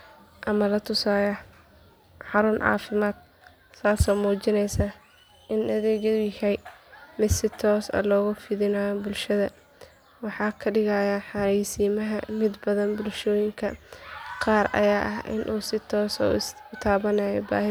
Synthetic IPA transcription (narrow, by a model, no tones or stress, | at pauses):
ʔɐmɐlɐt̪ʰʊsaːjɐ | ħɑɾʊnʕɑ̰ːfɪmaːd̪̥̚ | saːsɔːmuːt͡ʃɪnɛjsa | ʔɪnɐðɛːɣɐðʊjɪhɛjmɪd̪sɪt̪ʰɔːsɐ̰lɔːɣʊfɪðɪnaːbʊlʃɐðɐ | wɑħɑːkʰɐɖɪɣɐjɐħɑɛjsiːmɐɦɐmɪd̪bɐðɐnbʊlʃɔːjɪŋkʰɐqɑːɾɐ̰jaːʔɐɦʔɪ̰nʔuːsɪt̪ʰɔːsɔ̰ | ʊt̪ʰaːβɐnaːjɔba̰ːɦɪ